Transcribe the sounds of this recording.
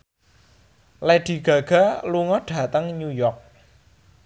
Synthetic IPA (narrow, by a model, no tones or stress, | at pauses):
leɖ̥i̤ɡ̥ä̤ɡ̥a̤luŋɔɖ̥ä̤t̪əŋɲujɔrk̚